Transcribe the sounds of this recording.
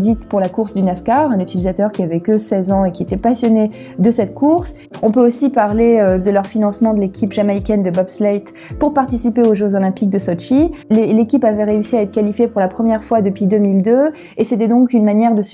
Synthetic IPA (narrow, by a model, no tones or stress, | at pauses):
d̪it̪puʁlakuʁsd̪ynaskaʁɛ̃nyt̪ilizat̪œʁkʲiavɛkəsɛzɑ̃ekʲiet̪ɛpasjɔne | d̪əsɛt̪kʰuʁs | ɔ̃pøosipaʁleød̪əlœʁfinɑ̃smɑ̃d̪əlekʲʰipʒamaikʲɛnd̪əbɔbslɛjt̪ | puʁpaʁt̪isipeoʒeozɔlɛ̃pik̚d̪əsɔʃilelekʲipavɛʁeysiaɛt̪χə̥kʲalifjepuʁlapχəmjɛʁfwad̪əpɥid̪ømild̪ø | eset̪ɛd̪ɔ̃kynmanjɛʁd̪əs